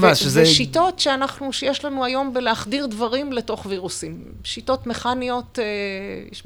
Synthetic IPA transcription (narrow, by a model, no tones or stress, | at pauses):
vaʃeveʃito̞tʃeanaχnuʃejeʃlanuajo̞mbeleaχdiʁd̪vaʁimle̞to̞χviʁusim | ʃito̞tme̞χanio̞teʃ